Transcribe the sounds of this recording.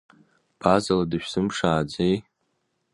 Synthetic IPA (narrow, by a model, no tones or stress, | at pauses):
b̥ʰazaladɨʃᶣsɨmpʂaːd͡zej